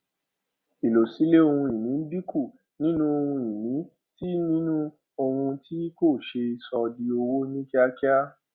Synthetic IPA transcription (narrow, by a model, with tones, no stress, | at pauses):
i˨lo˨si˨˦le˦o˧hũ˧i˨nĩ˨˦bi˦ku˦˨ | nĩ˦nũ˦o˧hũ˧i˨nĩ˨˦ | ti˦nĩ˦nũ˦ | o˧hũ˧ti˦ko˦˨ʃe˧i˧sɔ˧di˧o˧wo˦nĩ˦ki˦a˦ki˦a˦